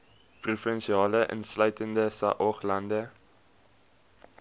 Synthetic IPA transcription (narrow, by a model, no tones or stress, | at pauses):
prufənʃiɑːləʔə̰nslœɥtəndəsɐ̰ʔɔχlɐndə